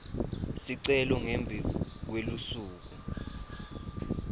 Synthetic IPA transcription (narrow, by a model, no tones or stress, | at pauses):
siǀɛlɔŋembʱik̬welusuːk̬u